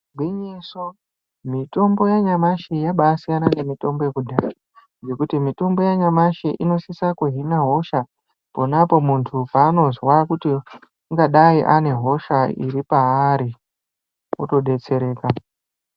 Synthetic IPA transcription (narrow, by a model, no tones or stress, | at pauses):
ɡwiɲiso | mito̞mbo̞jaɲamaʃijaɓaːsijanane̞mito̞mbo̞jekudʱaa | ŋɡe̞kutimito̞mbo̞jaɲamaʃiʔino̞sisakuɦinaɦo̞ʃa | po̞napo̞muntʰupaːno̞zwakuti | uŋɡaɗaiʔane̞ɦo̞ʃaḭɾipaːɾi | uto̞ɗe̞t͡se̞ɾe̞ːka